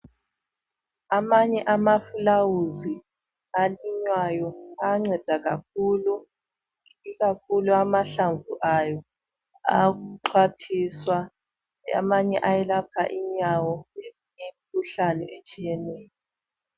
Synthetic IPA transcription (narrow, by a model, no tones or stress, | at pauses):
amaɲɛʔamafulawuzi | aliɲwajɔaŋ͡ǀɛd̥ʱaɣak̚ulu | iɣakʰuluamaɬaɱvuʔajɔ | a̰ɣuǃʰwatʰiswa | a̰maɲɛʔajɛlapʰaʔiɲawɔlemiɲemikʰuɬanɛʔet͡ʃʼijɛnɛːjɔ